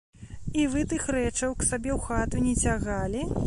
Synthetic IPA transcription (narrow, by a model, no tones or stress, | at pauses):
ivɨt̪ɨxrɛt͡ʂɐwksabʲɛwxat̪unʲɛt͡sʲaɣalʲi